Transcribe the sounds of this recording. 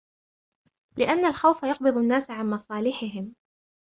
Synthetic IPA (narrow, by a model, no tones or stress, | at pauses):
lɪʔanːalxawfajɑq̚bɨðˤanːaːsʕanmɑsˤɑːlɪħɪɦɪm